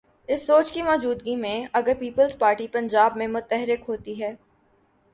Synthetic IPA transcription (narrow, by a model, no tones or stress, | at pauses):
ɪsːoːt͡ʃkimɔːd͡ʒuːd̪ɡimẽɐɡəɾpiːpəlzpaːɾʈipɐ̃ɲd͡ʒaːbmẽmʊt̪ɛɦɾɪkɦoːt̪iɦɛː